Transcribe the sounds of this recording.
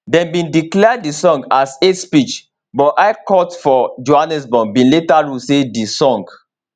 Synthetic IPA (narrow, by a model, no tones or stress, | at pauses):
dɛ̃nbĩndiklɛddisɔ̃ŋɡasetspit͡ʃ | bɔtʔaɪkɔtfɔd͡ʒoanɛsbɔ̃nbĩnletaɹusedisɔ̃ŋɡ